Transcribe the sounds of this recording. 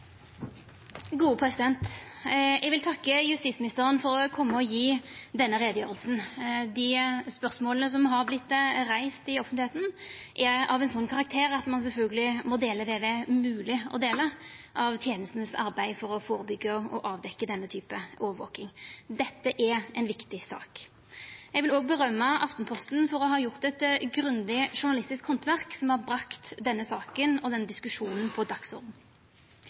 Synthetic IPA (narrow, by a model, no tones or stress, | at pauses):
ɡuːəpʰɾɛsɪd̪ɛnt̪ | ɛɡʋɪlt̪ʰɑkːəjʉst̪iːsmɪnɪst̪əʁənfɔɾɔkʰɔmːəɔjiːd̪ɛnːəʁɛːd̪əjøːɾəlsn̩d̪ɪspœʁsmoːlnəs̬ɔmɦɑɾblɪt̪ːʁæɪst̪ɪɔfnɪheːt̪n̩ʔæɑ̰ʋɛnsɔnːkʰɑʁɑk̚t̪ʰeːɾɑt̪mɑns̬ɛlfœlɡəlɪmɔd̪eːləd̪ɛd̪ɛmʉːlɪɔ̰d̪eːləʔɑʋt̪ʰjeːnəst̪nəsɑ̰ɾbæɪfɔɾɔfoːɾəbʏɡːəɔ̰ʔɑːʋd̪ɛkːəd̪ɛnːət̪ʰyːpəʔoːʋəɾʋo̰ːkɪŋd̪ɛt̪ːəʔæʔɛɪnʋɪkt̪ɪsɑ̰ːk | jɛɡʋɪloːɡ̚bəʁœmːəʔɑft̪n̩pʰɔst̪nfɔɾɔɦɑːjʊʁt̪ɛt̪ɡɾʉnd̪ɪʂʊʁɳɑlɪst̪ɪskhɔnt̪ʋæʁksɔmhɑɾbɾɑkt̪d̪ɛnːəsɑːkənɔd̪ɛnːəd̪ɪskʉʂuːnənpʰɔd̪ɑksɔɾd̪n̩